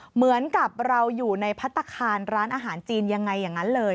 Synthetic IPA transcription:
mɯ˩˦ənka˨˩p̚ɾa˧wjuː˨˩na˧jpʰa˦˥t̪ʰːa˧kʰaː˧nɾaː˦˥nʔaː˧ɦaː˩˦nt͡ɕiː˧nja˧ŋːa˧jːaː˨˩ŋa˦˥nlɤː˧j

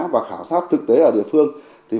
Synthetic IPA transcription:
vaː˨˩xaː˧˩wsaː˦˥t̚t̪ʰɨ˨˩k̚t̪e˨˦ʔəː˧˩ɗi˧˩˨əfɨ˧əŋ | t̪ʰi˨˩

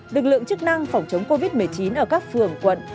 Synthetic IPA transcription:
lɨ˨˩k̚lɨ̰˧˨əŋt͡ɕɨ˦˥k̚na˧ŋfa˧˩wŋ͡mt͡ɕə˨˦wŋ͡mko˧vi˦˥t̚mɨ˨˩əjt͡ɕi˨˦nʔəː˧˩kaː˦˥k̚fɨ˨˩əŋkwə̰˧˨n

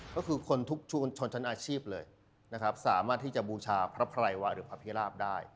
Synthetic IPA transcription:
kɔː˥˩kʰɯː˧kʰo˧nt̪ʰu˦˥k̚t͡ɕʰu˧t͡ɕʰo˧nt͡ɕʰa˦˥nʔaː˧t͡ɕʰiː˥˩p̚lɤː˧j | na˦˥kʰɾa˦˥p̚sa̰ː˩˦maː˥˩t̪ʰːiː˥˩t͡ɕa˨˩buː˧t͡ɕʰaː˧pʰɾa˦˥pʰɾa˧jwa˦˥ɾɯː˩˦pʰɾa˦˥pʰi˦˥ɾaː˥˩p̚daː˥˩j

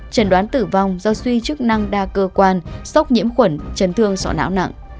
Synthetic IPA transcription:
t͡ɕə˧˩nɗwaː˨˦nt̪ɨ˧˩va˧wŋ͡mzɔ˧swi˧t͡ɕɨ˦˥k̚na˧ŋɗaː˧kəː˧kwaː˧nsə˦˥k͡p̚ɲḭ˧˥əmxwə˧˩nt͡ɕə˨˦nt̪ʰɨ˧əŋsɔ̰˧˩na̰ː˧˥wna̰˧˨ŋʔ

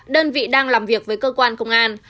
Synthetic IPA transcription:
ɗəː˧nvḭ˧˨ɗaː˧ŋlaː˨˩mvi˨˩ək̚vəː˨˦jkəː˧kwaː˧nkə˧wŋ͡mʔaː˧n

